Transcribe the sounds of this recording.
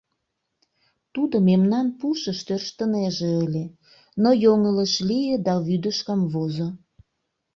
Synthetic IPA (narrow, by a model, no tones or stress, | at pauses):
t̪ud̪omemnɑnpuʃəʃt̪ørʃt̪əneʒeəlʲe | nojoŋələʃlijed̪ɑβyd̪əʃkɑmβozo